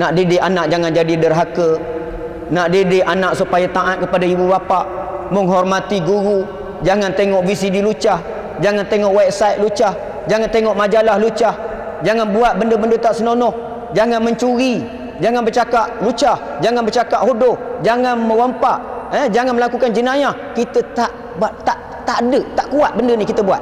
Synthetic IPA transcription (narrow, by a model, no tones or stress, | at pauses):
naʔdedɪanaʔ̚d͡ʒaŋand͡ʒadidərɦakə | naʔdedeʔanaʔsupajat̪aʔat̪̚kəpadaibubapaʔməŋɦɔrmat̪iɡuɾu | d͡ʒaŋant̪eŋɔʔvis̬idilut͡ʃah | d͡ʒaŋant̪eŋɔʔwab̚sajt̪̚lut͡ʃah | d͡ʒaŋant̪eŋɔʔmad͡ʒalahlut͡ʃah | d͡ʒaŋanbuat̪̚bəndəbəndət̪aʔsənonɔh | d͡ʒaŋanməɲt͡ʃuɾi | d͡ʒaŋanbərt͡ʃakaʔlut͡ʃah | d͡ʒaŋanbərt͡ʃakaʔhodʊhd͡ʒaŋanmə̃wampaʔɛd͡ʒaŋanməlakukand͡ʒənajah | kit̪ət̪aʔ | bat̪aʔ | t̪aʔdəʔt̪aʔkuat̪̚bəndənikit̪əbua̰t̪̚